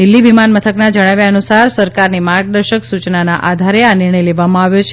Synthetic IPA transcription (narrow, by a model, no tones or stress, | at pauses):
d̪ilːiʋimanmət̪ʰəknad͡ʒəɽ̃aʋjaənusaɾsəɾkaɾnimaɾɡ̚d̪əɾʃəksut͡ʃnanaʔad̪ʱaɾeanɪɾɳəjleʋamãaʋjot͡ʃʰe